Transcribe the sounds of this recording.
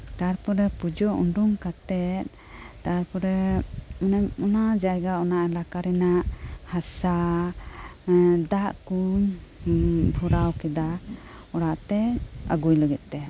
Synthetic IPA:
t̪aɾpɔɾɛpud͡ʒɔʔṵɳɖuŋkat̪ɛt̪̚ˀ | t̪aɾpɔɾɛɔnɔnad͡ʒajɡaɔnaʔɛlakaɾɛnaʔhasa | d̪aʔkuɲ | bʱɔɾawkɛd̪a | ɔɽaʔt̪ɛa̰ɡujləɡɛt̪̚ˀt̪ɛ

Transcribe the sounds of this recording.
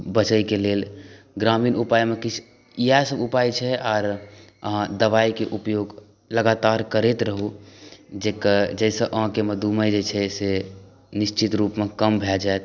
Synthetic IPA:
bət͡ʃəikelel | ɡɾamiːnupajmekit͡ʃʰ | ijasəbupajt͡ʃʰɛaːɾəɦãd̪əʋaikeʔupjoɡ | ləɡat̪aɾkəɾet̪ɾəɦu | d͡ʒekd͡ʒəɪsə̃ʔə̃ɦkeməd̪uməjd͡ʒet͡ʃʰɛse | nɪʃt͡ʃit̪ɾuːpmekəmbʱɛld͡ʒaet̪

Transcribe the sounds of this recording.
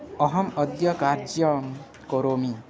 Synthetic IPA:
ʌɦɔmɔd̪jɔkaɾd͡ʒjɔ | koɾomi

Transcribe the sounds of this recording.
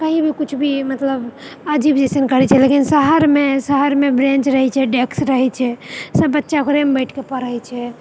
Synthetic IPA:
kəɦĩbʱikut͡ʃʰbʱimət̪ləbəd͡ʒibd͡ʒesənkəɾɛt͡ʃʰɛlekinsəɦəɾmesəɦəɾmebɾẽnt͡ʃɾəɦɛt͡ʃʰɛɖeksɾəɦɛt͡ʃʰɛsəbːətːʃakoɾembəʈʰkepəɾəɦjt͡ʃʰɛ

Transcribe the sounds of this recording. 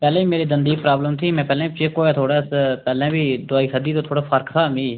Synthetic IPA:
pɛːlɛ̃ːiːmeːɾeːd̪ənd̪iːpɾaːbləmt̪ʰiːmɛ̃ːpɛːlɛ̃ːbit͡ʃeːkoːɛːt̪ʰoːɽaːspɛːlɛ̃ːbiːd̪ʊaːiːsəd̪iːt̪õːt̪ʰoːɽaːpʰəɾkt̪ʰaːmĩː

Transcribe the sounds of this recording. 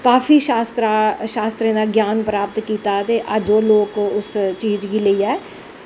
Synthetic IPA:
kaːfiːʃaːst̪ɾaʃaːst̪ɾẽːd̪aːɡjaːnpɾaːpət̪kiːt̪aːt̪eːʔəd͡ʒoːloːkːʊst͡ʃiːd͡ʒɡiːləiːɛː

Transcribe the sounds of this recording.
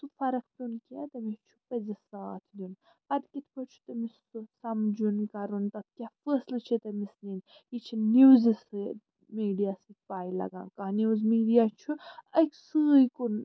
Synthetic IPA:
t̪ufɐɾɐkʰpʲunkʲat̪ɐmit͡ʃʰu̥pɐzisaːt̪ʰd̪ʲun | pɐd̪kʲit̪ʰpʰət͡ʃʰu̥t̪ɐmis | usɐmd͡ʒunkɐɾunt̪ɐt̪̚ʰkʲafəːslɨt͡ʃʰit̪emisninit͡ʃʰiniwzis | miːɖijasit̪̚paːjlɐ̰ɡã̰ːnkaniwzmiːɖijat͡ʃʰuɐkʲsɨjkun

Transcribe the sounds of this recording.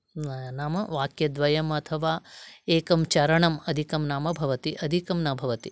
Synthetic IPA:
naːmɐʋaːkjɐd̪ʋɐjɐmɐt̪ʰɐʋaːeːkɐmt͡ʃɐɾɐɳɐmɐd̪ʱikɐmnaːmɐbʱɐʋɐt̪iʔɐd̪ʱikɐmnɐbʱɐʋɐt̪i

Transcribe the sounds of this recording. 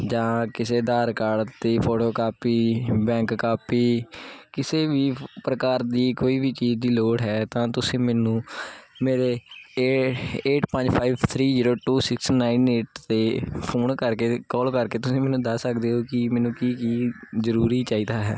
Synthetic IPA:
d͡ʒãːkɪseːd̪aːɾkaːɖt̪eːpʰoːʈoːkaːpiːbɛ̃ːŋkːaːpiːkɪseːbiːpɾəkaːɾd̪iːkoːiːbiːt͡ʃiːzd̪iːloːɽɦɛːt̪ãːt̪ʊsĩːmɛːnũːmeːɾeː | eːʈpə̃ɲd͡ʒpʰaːiːbt̪ʰɾiːziːɾoːʈuːsɪksnaːineːʈt̪eːpʰoːnkəɾkeːkɔːlkəɾkeːt̪ʊsĩːmɛːnũːd̪əsəkd̪eːɦoːkɪmɛːnũːkiːkiːzəɾuːɾiːt͡ʃaːiːd̪aːɦɛː

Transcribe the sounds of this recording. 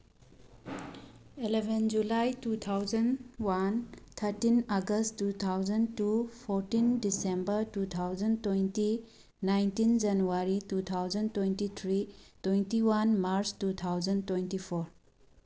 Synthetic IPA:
ilebʱend͡ʒulajtut̪ʰawd͡ʒɐnwant̪ʰɐɾtinaɡɐsttːut̪ʰawd͡ʒɐntupʰoɾtindisembəɾtut̪ʰawzɐntwejnti | najntind͡ʒɐnuaɾitut̪ʰawd͡ʒɐntwentit̪ʰɾitwejntiwanmaɾstut̪ʰawd͡ʒɐntwentipʰoɾ

